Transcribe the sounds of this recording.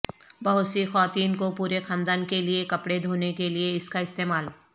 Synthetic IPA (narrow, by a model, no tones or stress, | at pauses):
bɐɦʊt̪sixwaːt̪iːnkopuːɾexãːnd̪aːnkeliekɐpɽed̪ʱoːnekelieɪskaɪst̪eːmaːl